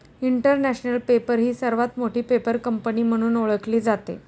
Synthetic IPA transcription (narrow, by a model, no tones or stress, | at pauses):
iɳʈəɾnæɕnəlpepəɾɦiːsəɾʋat̪moʈʰiːpepəɾkəmpəniːm̤əɽ̃uːnoɭəkliːd͡zat̪ḛ